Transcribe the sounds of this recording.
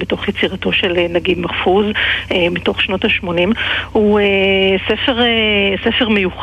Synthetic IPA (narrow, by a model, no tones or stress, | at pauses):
beto̞χjet͡siʁato̞ʃelnaɡidmafuzemito̞χʃno̞taʃmo̞nimhuesefeʁesefeʁmejuχ